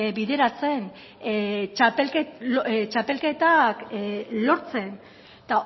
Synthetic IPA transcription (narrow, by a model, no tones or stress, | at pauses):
biðe̞ɾat͡se̞n | t͡ʃapelkt͡ʃape̞lke̞t̪aklo̞ɾt͡se̞n | t̪a